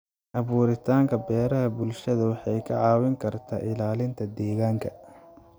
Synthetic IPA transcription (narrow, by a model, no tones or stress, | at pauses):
ʔɐβuːɾɪt̪ʰaːŋkʰɐbɛːɾɐɦɐbʊlʃɐðɐwɑħɑjkʰɐʕɑːwɪŋkʰɐrt̪ʰa̰ːʔɪlaːlɪnt̪ʰɐd̪ɛːɣaːŋkʰɐ